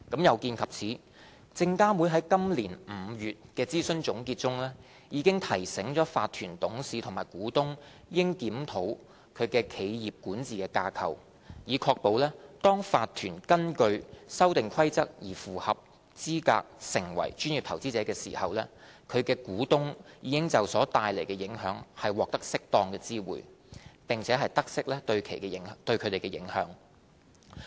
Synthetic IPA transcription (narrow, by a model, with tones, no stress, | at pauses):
kɐ˨˥mjɐ˨˧wkiː˧nkʰɐ˨p̚t͡sʰiː˨˥ | t͡sɪ˧ŋkaː˥wuː˨˧jɦɐ˨˥jkɐ˥mliː˨˩nm̩ː˨˧jyː˨t̚kɛː˧t͡siː˥sɵ˥nt͡sʊ˨˥ŋkiː˧t̚t͡sʊ˥ŋlɛː˥ | jiː˨˧kɪ˥ŋt̪ʰɐ˨˩jsɪ˨˥ŋt͡sɔː˨˥faː˧t̪̚ʰyː˨˩nt̪ʊ˨˥ŋsiː˨˧t̪ʰʊ˨˩ŋmaː˨jkuː˨˥t̪ʊ˥ŋ | jɪ˥ŋkiː˨˥mt̪ʰo˨˥w | kʰɵ˨˧ɥkɛː˧kʰe˨˧jjiː˨p̚kuː˨˥nt͡siː˨kɛː˧kaː˧kʰɐ̰˨˩w | jiː˨˧kʰɔː˧k̚po˨˧wlɛː˥t̪ɔː˥ŋfaː˧t̪ʰyː˨˩nkɐ˥nkɵ˧ɥsɐ˥wt̪ɪ˨ŋkʰɐ˥jt͡sɐ˥k̚jiː˨˩fuː˨˩hɐ˨p̚ | t͡siː˥ka̰ː˧k̚sɪ˨˩ŋwɐ̰˨˩jt͡ʃyː˥nji˨pt̪ʰwt͡siː˥t͡sɛː˨˧˥kɛː˧sḭː˨˩hɐ˨wlɛː˥kʰɵ˨˧ɥkɛː˧kuː˨˥t̪ʊ˥ŋjiː˨˧˥kɪ˥ŋt͡sɐ˨wsɔː˨˥t̪aː˨˧jlḛ˨˩jkɛː˧jɪ˨˥ŋɦœː˨˥ŋhɐ˨jwɔː˨k̚t̪ɐ˥k̚sɪ˥k̚t̪ɔː˧ŋkɛː˧t͡siː˥wṵː˨jpɪ˨˩ŋt͡sʰɛː˨˥ɦɐ˨jt̪ɐ˥k̚sɪ˥k̚lɛː˥t̪ɵ˧ɥkʰe˨˩jkɛ˧˨˥ŋt̪ɵ˧ɥkʰɵ˨˧t̪e˨jkɛː˧jɪ̰˨˥ŋhœ̰ː˨˥ŋ